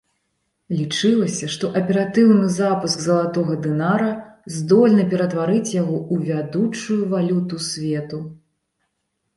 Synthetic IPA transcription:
lʲit͡ʂɨlˠɐsʲɐʂt̪ɔʔɐpʲɛɾat̪ɨwnɨzapɨsɡzɐlˠat̪ɔɣɐd̪ɨnaɾɐzd̪ɔlʲnɐpʲɛɾɐt̪vaɾɨt͡sʲjaɣɔuvʲad̪ut͡ʂujuvalʲut̪usʲvʲɛt̪u

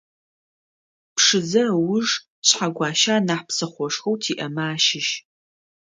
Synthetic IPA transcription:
pʰʂɨzɐwʊʐ | ɕħaɡʷɑːʃaːnaːħpsɐχʷɔʂxowtʰiːʔɐmaːʃɪʃ

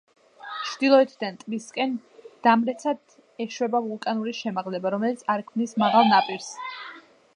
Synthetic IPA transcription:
t͡ʃʰɾd̪̥ilˠɔɛt̪ʰd̪ant̪ʼbiskʼɛnd̪̥amɾɛt̪sʰad̪ | ɛʃwɛbavulˠkʼanuɾiʃɛmaʁlɛbaɾɔmɛlit̪sʰaɾkʰmnismaʁalˠnapʼiɾs

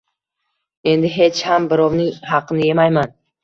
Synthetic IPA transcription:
e̞nd̪ɪɦe̞t͡ʃhambɪɾɒwnɪŋɦɑqʰɨnɪje̞majman

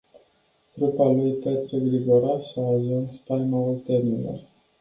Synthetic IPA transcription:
t̪ɾupalujpet̪ɾeɡɾiɡoɾaʃaːʒunspajmault̪enilo̰r

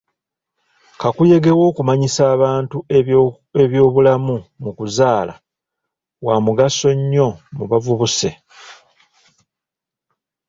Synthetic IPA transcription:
kakuje̞ɡe̞wo̞ːkumaɲisaːβaːntu | e̞βjo̞ːβulamumukuzaːla̰ | waːmuɡaso̞ɲːo̞muβavuβuse̞

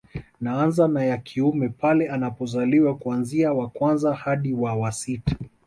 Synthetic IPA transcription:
naanzanajakʰiumɛpalɛanapɔzaliwakuanziawakwanzahaɗiwawasitḁ

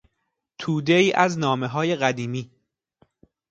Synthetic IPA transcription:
t̪ʰuːd̪eiːʔæznɒːme̞ɦɒːje̞ɣæd̪iːmiː

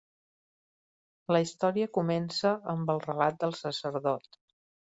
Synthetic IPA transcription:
ləist̪ɔɾiəkumɛnsəəmbəlˠrəlat̪̚d̪əlˠsəsəɾðɔt̪

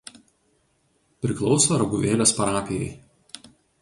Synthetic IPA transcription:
pʲɾʲɪklˠɒʊsoːɾɐɡʊʋʲeːlʲoːspɐɾɑːpʲejɛ̰ɪ

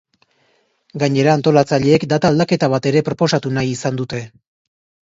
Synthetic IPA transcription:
ɡaɲe̞ɾaːnt̪o̞lat͡saʎeːkd̪at̪ald̪ake̞t̪aβ̞at̪e̞ɾe̞pɾo̞po̞sat̪unajisand̪ut̪e̞

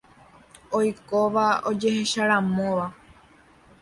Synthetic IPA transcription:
ojkoʋaod͡ʒe̞he̞ʃaɾamõʋa

